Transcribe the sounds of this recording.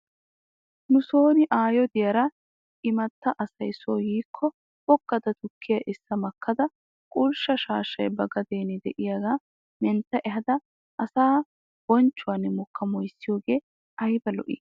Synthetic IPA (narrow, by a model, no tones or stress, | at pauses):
nʊsoːnɪʔaːjɔd̪ɪjɐɾɐ | ɪmɐt̪ːɐʔɐsɐjsoːjiːkʰːɔ | bɔɡːɐd̪ɐt̪ʊkʰːɪjɐʔɪsːɐmɐkːɐd̪ɐ | kʼʊlʃɐʃaːʃːɐjbɐɡɐd̪eːnɪd̪ɛʔɪjaːɡaː | mɛnt̪ːɐʔɛɦɐd̪ɐ | ʔɐsaː | b̥ɔnt͡ʃːʊwaːnɪmɔkːɐmɔjsːɪjoːɡe̞ː | ɐjbɐlɔ̰ʔɪ̰ː